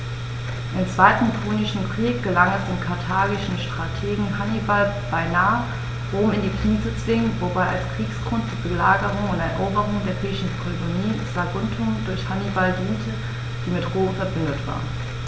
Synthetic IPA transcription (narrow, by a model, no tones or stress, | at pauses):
ʔɪmt͡sv̥aɪtn̩kʁ̥oːnɪʃn̩kʁ̥iːk̚ɡ̥əlaŋɛsd̥eːnkʰaɐtʰaːɡɪʃn̩ʃtʁ̥atʰeːɡŋ̩hanibal | b̥aɪnaːə | ʁoːmɪndiːkʰliːzət͡sv̥ɪŋnvobaɪalskʁ̥iːksɡ̥ʁʊnt̚d̥iːbəlaːɡəʁʊŋʊntɛɐʔoːbəʁʊŋdeːɐʁiːʃn̩pʁ̥iloniːz̥aɡʊntʰʊdʊɐçhanibaldiːntʰə | d̥iːmɪtʁoːmfɛɐbɪndətv̥a̰ːʁn